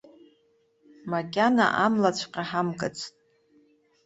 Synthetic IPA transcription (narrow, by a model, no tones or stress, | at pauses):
makʲʼana̰ʔamlat͡ɕʷʰqʲʼaħamkʼɨt͡sʼʰtʼ